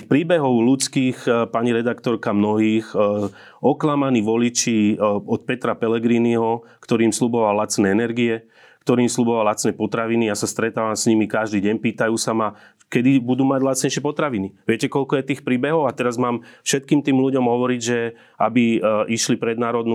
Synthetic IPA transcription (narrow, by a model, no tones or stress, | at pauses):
pɾiːbɛɦɔʊlut͡skiːxpaɲiɾɛd̪akt̪ɔɾkamnɔɦiːx | ɔklamaniːʋɔlit͡ʃiɔt̪̚pɛt̪ɾapɛlɛɡɾiniɦɔkt̪ɔɾiːmslubɔʋalat͡snɛɛnɛɾɡiɛ | kt̪ɔɾiːmslubɔʋalat͡snɛːpɔt̪ɾaʋinijasast̪ɾɛt̪aːʋamsɲimikaʒd̪iːɟɛɲpiːt̪ajuːsama | kɛd̪ibud̪uːmaɟlatt͡sɲɛjʃɪɛpɔt̪ɾaʋiniʋɪɛcɛkɔlkɔjɛt̪iːxpɾiːbɛɦɔʊat̪ɛɾazmaːmfʃɛt̪̚kiːmt̪iːmluɟɔmɦɔʋɔɾiɟʒɛ | abiʔiʃlipɾɛd̪naːɾɔd̪nu